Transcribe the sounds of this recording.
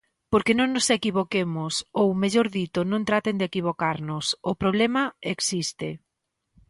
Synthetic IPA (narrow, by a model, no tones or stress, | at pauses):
poɾkenõŋnʊsekiβokemʊsowmeʎoɾðit̪ʊnõŋt̪ɾat̪end̪ekiβ̞okaɾnʊsʊpɾoβlɛmɐeksist̪ɪ